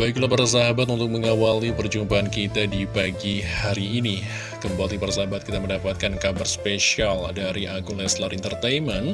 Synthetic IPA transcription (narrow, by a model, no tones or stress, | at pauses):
baiklapaɾas̬aɦabat̪unt̪ʊk̚məŋawalipərd͡ʒumpaankit̪adipaɡihaɾiːni | kəmbalipaɾasaɦabat̪̚kit̪aməndapat̪̚kankabərspeʃialdaɾiʔakulɛslaɾʔint̪ərt̪ajmən